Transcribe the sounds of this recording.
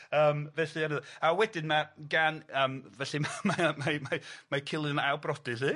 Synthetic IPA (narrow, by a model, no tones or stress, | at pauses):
əːmvɛɬɨanəðɔawɛdɪnmaɡanəːmvɛɬɨmamamamamakʰɪlˠɨənawbrɔdɨɬi